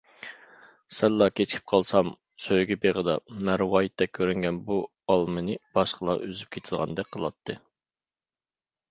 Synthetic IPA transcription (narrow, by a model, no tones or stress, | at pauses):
sɛlːɑkʲʰet͡ʃʰkʲʰi̥p̚qʰɑlˠsɑm | søjɡʲɛbeʁəd̪ɑ̰mæɾwɑjit̪ːɛkʲʰːøɾyŋɡʲɛnbu | ɑlˠmɨnɨb̥ɑʃqʰəlˠɑ̰ʔøzyp̚kʲʰet̪ʰɪlˠʁɑ̰nd̪ɛk̚qʰəlˠɑ̰t̪ʰːɨ